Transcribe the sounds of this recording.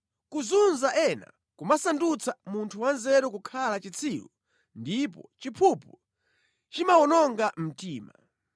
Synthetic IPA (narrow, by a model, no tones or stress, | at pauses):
kuzunzaʔɛna̰ | kumasandut͡sʰamuntʰuwanzɛɾɔkukʰalat͡ʃit͡sʰiːwu | ndipɔ̰t͡ʃipʰupu | t͡ʃimaɔnɔŋɡam̩tiːma